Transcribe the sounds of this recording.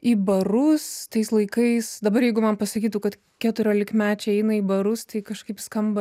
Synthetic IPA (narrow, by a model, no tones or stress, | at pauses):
iːbɐɾʊst̪ɐɪslˠɐɪkɐɪsd̪ɐbɐrjɛɪɡʊmɐnpɐsɐkʲiːt̪ʊkɐt̪ | kʲæt̪ʊɾʲoːlʲɪkmʲæːt͡ʃʲɛɪɛɪnɐiːbɐɾʊst̪ɐɪkɐʃkɐɪpskɐmbɐ